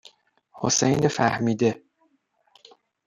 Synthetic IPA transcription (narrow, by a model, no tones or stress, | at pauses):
hosejnefæhmiːd̪e